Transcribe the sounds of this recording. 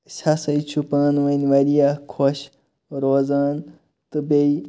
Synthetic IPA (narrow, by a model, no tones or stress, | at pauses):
sʲɐsɐjt͡ʃʰupãːnʋɐnʲʋɐɾijakʰoɕ | ɾoːzaːn | t̪ɨbej